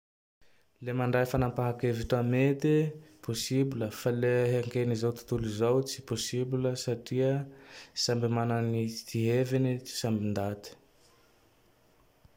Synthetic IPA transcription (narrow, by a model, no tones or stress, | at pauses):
lemaɳɖ͡ʐajfanampaɦakeviʈ͡ʂamet̪iposibiləfaleɦeŋkenizowt̪u̥t̪ulizowt͡si̥posibiləsaʈ͡ʂiəsambimanənit̪iɦevenit͡si̥sambind̪at̪i̥